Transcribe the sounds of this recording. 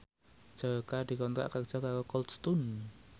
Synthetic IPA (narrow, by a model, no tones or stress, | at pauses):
d͡ʒ̥akad̪̥i̤kɔnt̪ɾa̰ʔkakʒ̥akakɔkɔlt̪st̪un